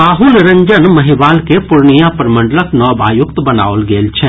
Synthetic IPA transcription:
aːɦʊlɾɐ̃ɲd͡ʒənmɐɦɪʋaːlkepʊɾnijapɾmə̃ɳɖələknɔːbaːjʊkt̪bɐna̰ːolɡeːlt͡ʃʰɛː

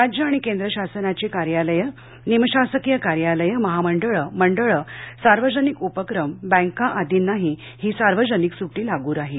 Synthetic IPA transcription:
ɾad͡ʑjəaɽ̃ikẽnd̪ɾəɕasənat͡ɕekaɾjaləjə | niməɕasəkijəkaɾjaləjəməɦaməɳɖəɭəməɳɖəɭəsaɾʋəd͡ʑənikupəkɾəmbə̃ŋkãʔad̪ʱiːnːaɦi | hiːsaɾʋəd͡ʑəniksuʈiːlaɡuːɾaɦi

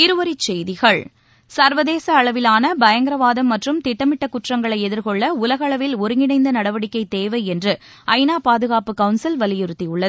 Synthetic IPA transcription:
ɪɾɯʋɐɾit͡ʃɛjðɪɣɐɭ | sɐɾʋɐðeːsɐːɭɐʋɪlaːnɐbɐjɐŋɡɪɾɐʋaːðɐmːɐʈrɯmt̪ɪʈːɐmɪʈːɐkːʊʈrɐŋɡɐɭɐɪɛðɪɾkɔɭːɐʊlɐɣɐːɭɐʋɪlɔɾɯŋɡɪnɐɪnd̪ɐnɐɽɐʋɐɽɪkːɐɪt̪ːeːʋɐɪɛndrɯ | ɐɪnaːpaːðɯɣaːpɯkɐʊnsɪlʋɐlɪjɪɾɯt̪ːiʊɭːɐð

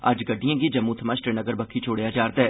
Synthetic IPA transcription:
ə̰d͡ʒɡəɖːijãːɡiːd͡ʒəmːũːt̪ʰəmãːsʈɾeːnəɡəɾbəkʰːiːt͡ʃʰoːɽejaːd͡ʒaːɾd̪ɛː

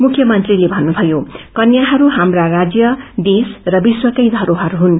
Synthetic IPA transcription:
mukʰjʌmʌnt̪rilebʱʌnːubʱʌjokʌnjaɦʌɾuɦamrarad͡zjʌd̪esrʌbiswʌkʌjd̪ʱʌɾoɦʌɾuɦun

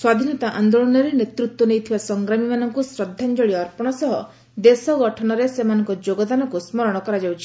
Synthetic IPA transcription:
swad̪ʱinɔt̪aʔand̪oɭɔnɔɾenet̪ɾut̪wɔnejt̪ʰibasɔŋɡɾamimanɔŋkusɾɔd̪ʱːand͡ʒɔɭiɔɾpɔɽ̃ɔsɔɦɔ | d̪esɔɡɔʈʰɔñɔɾesemanɔŋkɔd͡ʒoɡɔd̪anɔkusmɔɾɔɽ̃ɔkɔɾad͡ʒawt͡ʃʰi̥

